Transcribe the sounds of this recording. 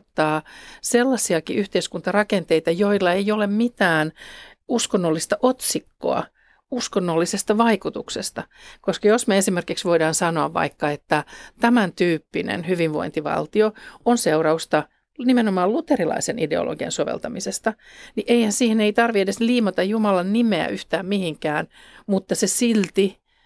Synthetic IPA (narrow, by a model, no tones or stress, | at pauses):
t̪ːɑːselːɑsiɑkḭʔyht̪eiskunt̪ɑrɑkent̪eit̪ɑjoilːɑejolemmit̪æːnuskonːolːist̪ɑʔot̪sikːo̰ɑ̰ | uskonːolːisest̪ɑʋɑikut̪uksest̪ɑkoskɑjosmeesimerkiksʋoidɑːnsɑnoɑʋʋɑ̰ikːɑet̪ːæt̪æmænt̪yːpːinḛnhyʋiʋʋo̰int̪iʋɑ̰lt̪ioonseurɑust̪ɑ | nimenomɑːllut̪erilɑ̰isenideo̰lʔo̰ɡiɑ̰nsoʋḛlt̪ɑmisest̪ɑniʔeihænsiːheneit̪ɑrʋiedesliːmot̪ɑjjumɑlɑnnimeæ̰ʔyht̪æːmmihiŋkæːn | mut̪ːɑsesilt̪i